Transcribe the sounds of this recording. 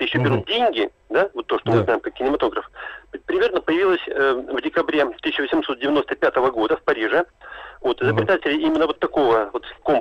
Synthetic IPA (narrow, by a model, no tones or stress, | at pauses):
jɪɕːobʲɪɾut̪̚dʲenʲɡʲɪ | d̪avo̞t̪ːoʂt̪omɨznajɪmkakʲːɪnʲɪmɐt̪o̞ɡɾəfpɾʲɪmʲe̞rnəpəjɪvilˠəsʲəvdʲɪkɐbɾʲet̪ɨsʲɪɕt͡ɕːɪvəsʲɪmsot̪̚dʲɪvʲɪno̞st̪əpʲat̪əvəɡo̞d̪əfpɐɾʲiʐɨvo̞t̪ɨzəpɾʲɪd̪atʲɪlʲɪimʲɪnːəvo̞t̪ːɐko̞vəvo̞t̪ko̞m